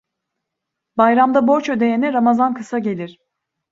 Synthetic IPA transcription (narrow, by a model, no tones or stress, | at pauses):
bajɾamd̪abo̞ɾt͡ʃød̪e̞jenɛɾamazankʰɯsaɟe̞lʲiɾ̥